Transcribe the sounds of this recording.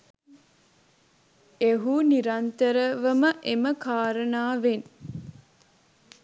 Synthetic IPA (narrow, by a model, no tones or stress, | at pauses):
eɦuniɾant̪əɾəʋəməʔeməkaːɾənaːʋen